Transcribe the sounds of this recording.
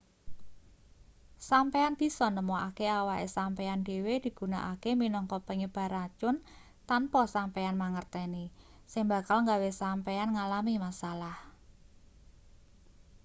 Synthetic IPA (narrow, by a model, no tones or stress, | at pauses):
sampeanb̥i̤sɔnəmɔakeawaʔesampɛand̥e̤wed̪̥i̤ɡ̥ṳnaʔakeminɔŋkɔpəɲəb̥a̤ɾat͡ʃʊn | t̪anpɔsampɛanmaŋərt̪ɛni | sɪŋba̤kalŋɡawesampɛanŋalamimasalah